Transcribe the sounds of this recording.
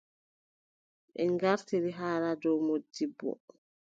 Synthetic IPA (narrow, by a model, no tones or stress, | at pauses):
ɓɛŋŋɡaɾtiɾiɦaːladɔwmod͡ʒːibːɔ̰